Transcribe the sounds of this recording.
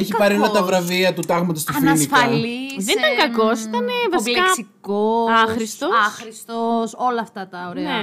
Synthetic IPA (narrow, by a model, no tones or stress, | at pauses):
eçipɐɾiolɐt̪ɐvɾɐviɐt̪ut̪ɐɣmɐt̪ost̪ɐnɐnifɐliðenit̪ɐŋkɐkosit̪ɐnevɐsiɐssikoɐxɾist̪oxɾist̪osolɐːft̪ɐt̪ɐoɾene